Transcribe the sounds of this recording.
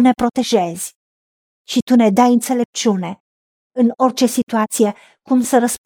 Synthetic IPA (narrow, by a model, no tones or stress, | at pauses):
ne̞pɾo̞t̪e̞ʒe̞z̥ʲ | ʃit̪une̞d̪ajɨnt̪se̞le̞p̚t͡ʃune̞ | ɨno̞rʲt͡ʃe̞sit̪uat̪sije̞ | kumsəɾəs